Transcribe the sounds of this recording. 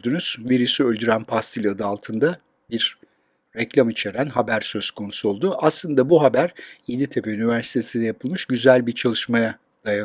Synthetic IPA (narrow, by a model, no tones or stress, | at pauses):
d̪ynyz̥veɾysyølʲd̪yɾænpʰast̪ʰilʲad̪ɯalˠt̪ʰɯnd̪a | biɾː | ɛclʲamit͡ʃʰe̞ɾænɦabæɾsø̞z̥kʰo̞nusuo̞lˠd̪uʔaslˠɯnd̪abuɦabæɾjed̪it̪ʰe̞peynyvæɾsi̥t̪ʰe̞sind̪ɛjapʰɯlˠmɯʃɟyzælʲbiɾt͡ʃʰalˠɯʃmaja | d̪̥ajan